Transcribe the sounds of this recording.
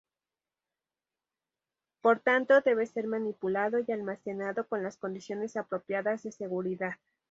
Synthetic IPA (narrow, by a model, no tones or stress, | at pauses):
po̞ɾt̪ant̪o̞ðe̞βe̞se̞ɾmanipulaðo̞jalmase̞naðo̞ko̞nlasko̞nd̪isjo̞ne̞sapɾo̞pjaðazðe̞se̞ɣuɾiðað